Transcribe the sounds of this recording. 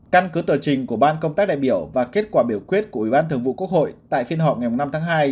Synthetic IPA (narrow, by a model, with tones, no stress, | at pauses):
ka˧nkɨ˨˦t̪əː˨˩t͡ɕï˨˩ŋ̟ku˧˩əɓaː˧nkə˧wŋ͡mt̪aː˦˥k̚ɗa̰ː˧˨jɓi˧˩əwvaː˨˩ke˦˥t̚kwaː˧˩ɓi˧˩əwkwi˦˥ət̚ku˧˩əʔi˧˩ɓaː˧t̪ɨ˨˩əŋvṵ˧˨ku˦˥ək̚ho̰˧˨jt̪a̰ː˧˨jfi˧ənɦɔ̰˧˨p̚ŋa˨˩jmu˨˩ŋ͡mna˧mt̪ʰaː˨˦ŋɦaː˧j